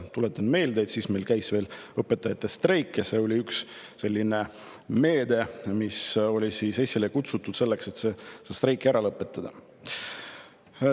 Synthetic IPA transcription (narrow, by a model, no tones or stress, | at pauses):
t̪ule̞t̪ːˑɑnme̞ːld̪eːt̪siːsme̞jlkæjsve̞ːlɤpːet̪ːˑɑjɑt̪ːˑe̞st̪rejkːˑjɑse̞ːo̞lʲiyksː | e̞lʲːine̞ | me̞ːd̪e̞miso̞lʲisiːsesʲːilekut̪sut̪ːˑud̪̥se̞lːe̞kse̞t̪sesest̪rejkːˑæɾɑlɤpːˑe̞t̪ːˑɑd̪̥ɑ